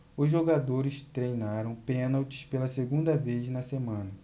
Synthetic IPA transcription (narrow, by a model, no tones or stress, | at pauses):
ʊzʒoɡad̪oɾɪst̪ɾejnaɾɐ̃w̃pẽnawt͡ʃɪ̥spelɐseɡũd̪ɐveznɐsemɐ̃nɐ